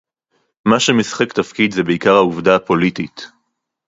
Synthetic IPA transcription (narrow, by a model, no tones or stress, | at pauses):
maʃemisχektafkid̪zebeikaʁhauvdaːpo̞litit